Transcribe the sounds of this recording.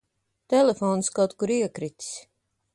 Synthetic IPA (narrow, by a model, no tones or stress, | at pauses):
t̪ɛlʲefɔːnskawt̪kuɾiɛkɾit̪s